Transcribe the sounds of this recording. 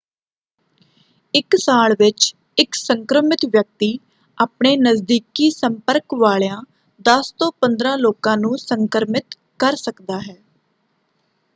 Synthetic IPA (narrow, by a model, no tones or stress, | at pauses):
ɪksaːlʋɪt͡ʃ | ɪksəŋkɾəmɪt̪ʋjək̚t̪iː | aːpɳeːnəzd̪iːkiːsəmpəɾkʋaːɭjãː | d̪əst̪õːpənd̪ɾãːloːkãːnũːsəŋkəɾmɪt̪ | kəɾsəkd̪aːɦɛː